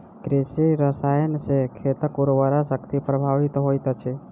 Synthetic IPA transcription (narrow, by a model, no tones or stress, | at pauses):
kɾesiɾəsajənsekʰet̪əkuɾʋəɾasəkt̪ipɾəbʱaʋit̪ɦojt̪t͡ʃʰɛ